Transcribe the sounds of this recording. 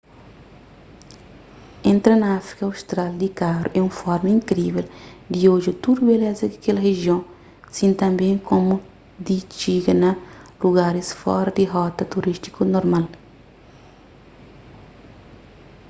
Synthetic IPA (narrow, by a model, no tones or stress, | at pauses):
ẽnt̪ɾɐnɐafɾi̥kɐawst̪ɾald̪ikaɾṵʔɛũfɔɾmɐĩŋkɾiveld̪ioʒɐt̪ud̪ubelɛzɐkakelɐɦeʒjõŋ | sĩnt̪ɐ̃mbẽŋkʰomo | d̪it͡ʃiɡɐnɐluɡaɾisfɔ̰ɾɐd̪iɦɔt̪ɐt̪uɾist̪i̥konoɾmal